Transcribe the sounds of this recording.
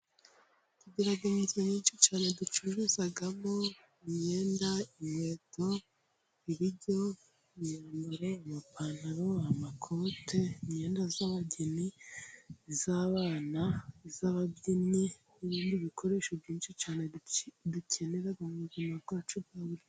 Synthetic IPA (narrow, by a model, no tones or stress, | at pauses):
tuɟiɾaɡomuzeɲiːnʃit͡ʃaːne̞dut͡ʃuʒuzaɡamo | iɲe̞ːndaiɲe̞ːtʰo̞ | iɾiɟo̞ | iɲendoɾoamapʰanaɾoamakʰo̞tʰe̞iɲe̞ːndazaβaɟeni | zaːβaːnaizaβabɟini | uβiːndiβikʰo̞ɾe̞ːʃobjiːnʃit͡ʃaːneducʰe̞neɾaɡomuzinakoat͡ʃubɡaβuɾi